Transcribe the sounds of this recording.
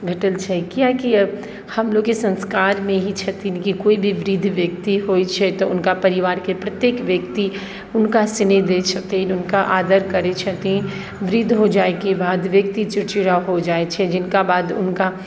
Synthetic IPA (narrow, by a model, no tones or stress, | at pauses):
bʱeʈəlt͡ʃʰɛkiakiɐ | hɐmloːɡkesɐ̃nskaːɾmẽɦit͡ʃʰɛt̪ɪnkikoːibʱiʋɾɪd̪ʱʋjək̚t̪iɦoːit͡ʃʰɛt̪oʊnkapɐɾɪʋaːɾkepɾɐt̪jeːkʋjɐkt̪i | ʊnkasɪned̪et͡ʃʰɐt̪einʊnkaʔaːd̪əɾkɐɾet͡ʃʰɛt̪i | ʋɪɾɪd̪ʱɦod͡ʒaːekebaːd̪ʋjɐk̚t̪it͡ʃɪɾt͡ʃɪɾaɦod͡ʒaːet͡ʃʰɛd͡ʒɪnkabaːd̪ʊ̰nka